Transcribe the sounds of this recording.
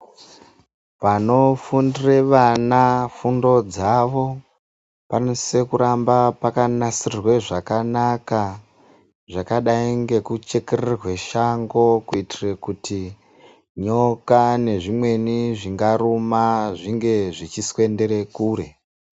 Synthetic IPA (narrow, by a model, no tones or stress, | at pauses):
ʋano̞fundire̞ʋanafundo̞d͡zaʋo̞ | panose̞kuɾambapakanasirrwe̞ʐakanaka | ʐakaɗaiŋɡe̞kut͡ʃe̞kererwe̞ʃaŋɡo̞kuitirekuti | ɲo̞kane̞ʐimwe̞niʐiŋɡaɾumaʐiŋɡe̞ʐit͡ʃiswe̞nde̞ɾe̞kuːɾe̞